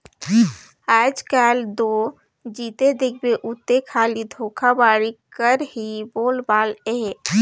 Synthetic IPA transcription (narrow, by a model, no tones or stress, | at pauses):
aːd͡ʒkaːld̪oː | d͡ʒiːt̪ed̪ɪk̚ʰbeʔʊt̪ːekʰaːlid̪ʱoːkʰabaːɽikəɾɦiboːlbaːleː